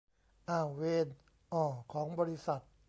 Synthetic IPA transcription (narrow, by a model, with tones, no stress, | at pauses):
ʔaː˧˩weː˧n | ʔɔː˨˩kʰɔː˩˦ŋbɔː˧ɾi˦˥sa˨˩t̪̚